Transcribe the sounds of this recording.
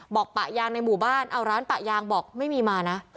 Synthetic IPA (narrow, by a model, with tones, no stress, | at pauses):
bɔː˨˩k̚pa˨˩ʔjaː˧ŋna˧jmuː˨˩baː˥˩nʔa˧wɾaː˦˥npa˨˩ʔjaː˧ŋbɔː˨˩k̚ma˥˩jmiː˧maː˧na˦˥